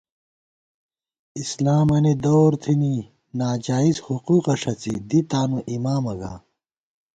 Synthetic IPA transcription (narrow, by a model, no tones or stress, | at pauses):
islaːmɐnid̪oːɾt̪ʰini | naːd͡ʑaːizhuquːqɐʂɐt͡sḭd̪it̪aːnuʔimaːmɐɡa̰ː